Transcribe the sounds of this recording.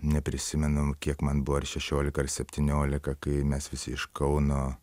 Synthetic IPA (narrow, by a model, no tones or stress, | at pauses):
nʲɛpʲɾʲɪsʲɪmʲɛnʊkʲiɛkmɐnbʊʋoɐrʃʲɛʃʲoːlʲɪkɐɐrsʲɛpʲt̪ʲɪnʲoːlʲɪkɐkɐɪmʲɛsʋʲɪsʲɪɪʃkɐʊnoː